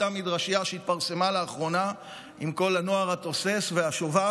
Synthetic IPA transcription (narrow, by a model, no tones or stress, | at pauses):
amid̪ʁaʃiaʃeit̪̚paʁse̞maleːχʁo̞na | imko̞lano̞aʁat̪o̞se̞sveaʃova